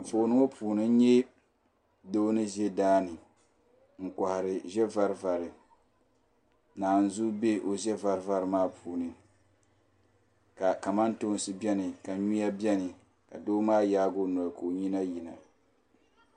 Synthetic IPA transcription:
po˨nɨ˦ŋo˦pʰuː˨nɨ˦ɲɛ˦ | doː˦nɨ˦ʒe˦daː˦nɨ˨ | ŋ̩˨ka˨hɪ˨ɾɪ˨ʒɛ˦va˦ɾva˨ɾɨ˨ | naː˨n̩˨zu˦be˦ʔo˨ʒɛ˦va˦ɾva˦ɾɨ˨maː˦pʰuː˨nɨ˨ | ka˨ka˨ma˦nto˦n˦sɨ˦bjɛ˦nɨ˨ka˨ɲu˦ja˦bɛ˦nɨ˨ | ka̰˨doː˦maː˦jaː˦ɡo˦nɔ˨lko˨o˨ɲi˦na˦ji˨na˨

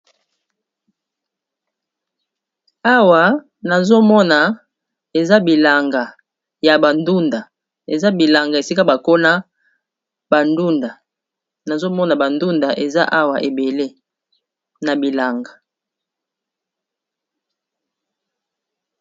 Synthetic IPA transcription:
a˦wa˨ | na˨zo˦mɔ˦na˨ | e˨za˦bi˨la˨ŋɡa˨ | ja˨ba˨ndu˦nda˨ | e˨za˦bi˨la˨ŋɡa˨e˨si˦ka˦ba˨ko˦na˦ | ba˨ndu˦nda˨ | na˨zo˦mɔ˦na˨ba˨ndu˦nda˨ʔe˨za˦ʔa˦wa˨ʔe˨be˨le˦ | na˨bi˨la˨ŋɡa˨

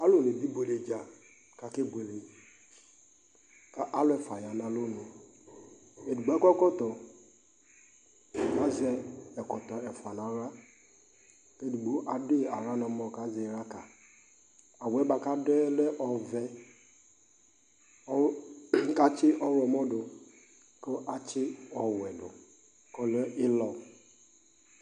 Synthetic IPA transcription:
a˦lo˦˨ne˨bi˦bo˨le˨d͡ʒa˨ | ka˨ke˦be˨le˨ | ka˨ʔa˦lʊ˦ɛ˨fa˨ja˨na˨lo˦no˨ | e˨du˨ɡ͡bɛ˦kɔ˦kɔ˦tɔ˨ | ka˨zɛ˦ɛ˨kɔ˨tɔ˨ɛ˨fa˨n˨a˨ɾa˦ | ke˦du˨ɡ͡bo˦ʔa˨de˦a˨ɾa˦nɔ˨mɔ˨ka˨˦zɛ˨˦ɾa˦ka˨ | a˨wɛ˨˦ba˨ka˦dɛ˦lɛ˦ʔɔ˨vɛ˦ | ka˦t͡ʃɪ˦ʔɔ˦ɾɔ˨mɔ˦dʊ˨ | kɔ˦ʔa˨t͡ʃɪ˦ɔ˨wɛ˨dʊ̰˨ | kɔ˦lɛ˦ɪ˦lɔ˨

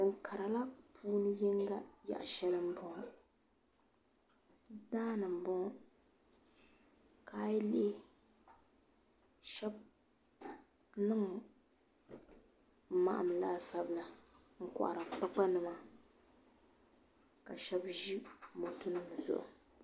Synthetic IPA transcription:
ɨ˨ŋ̩˨kʰa˨ɾa˨la˦pʰuː˦nɨ˦ji˦ŋɡa˦ja̰˨ʔa˨ʃɛ˦lɨ˦m˦bɔ˦˨ | daː˦nɨ˨m̩˨bɔ˦ | kaː˦jle˦ | ʃɛ˦b̚ | nɨ˦ŋ˨˦ | ma̰˦ʔa̰˨m˨laː˦sa˦bla˨ | ŋ̩˦kʊ̰˨ʔa̰˨ɾɨ˨k͡pa˦k͡pa˦nɨ˨ma˨ | ka̰˨ʃɛ˦bʒi˦mo˨tʊ˦nɨ˦m˨zʊ̰˨ʔʊ̰˨

